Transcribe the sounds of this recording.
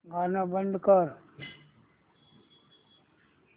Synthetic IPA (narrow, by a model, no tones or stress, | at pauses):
ɡaːnabənɖ̪kəɾ